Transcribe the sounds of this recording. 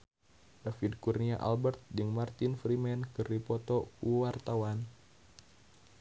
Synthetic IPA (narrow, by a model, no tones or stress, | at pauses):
dafidkurniaʔa̰lbɛrt̪̚dɨŋmart̪infɾimɛnkɨripɔt̪ɔkuwart̪awan